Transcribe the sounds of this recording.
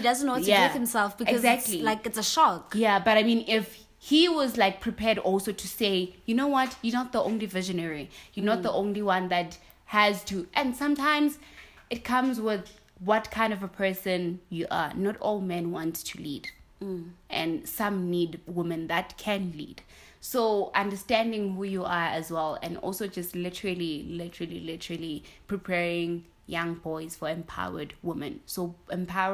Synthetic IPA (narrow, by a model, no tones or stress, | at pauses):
hidaz̃nwɔ̃jaɪ̃msɛlfb̥ikɛɔzæk̚tʰlilaɪkɪtsəʃɔkjabaɾaɪmĩnɪf | hiwɔzlaɪk̚pʰɹ̥ipʰɛdɔlˠsotʰuseɪjunowɔtjɔnɔt̪̚ðiʔõʊnlivɪʒənɛɹijɔnɔt̪̚ðəʔõʊ̃nliwãnðæt | hæztʰuʔɛ̃nsãmtʰãɪ̃mz | ʔɨt̚kʰãmzwɪð | wɔtkʰãɪ̃ndɔvəpʰɜ˞sə̃njuʔa̰nɔtɔlˠmɛ̃nwɔ̃ntstʰulḭd | ʔɛ̃nsãmnidwɪmɨ̃nðætkʰɛ̃nlḭd̥ | soʔãndəstæ̃ndɪ̃ŋhujuaəzwɛlɛ̰̃nɔ̰lˠsod͡ʒastlɪtəɹəlilɪtʰəɹəlḭlɪtəɹəlipʰɹ̥ipʰɛɹɪ̃ŋ | jãŋbɔɪz̥fɔɛ̃mpʰa̰ʊə̰dwɪmɨ̰̃nsoɛ̃mpʰa